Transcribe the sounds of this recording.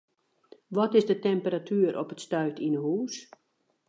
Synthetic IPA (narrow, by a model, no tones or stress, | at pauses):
ʋɔtɪzdətɛmpəɾatʰyːəɾʔɔ̰pətstœɥtinəhuːs